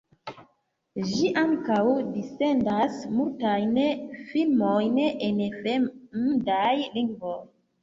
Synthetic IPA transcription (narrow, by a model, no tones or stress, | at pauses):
ʒiʔaŋkawdise̞ndasmultajnfilmojnenfemmdajliŋɡvoj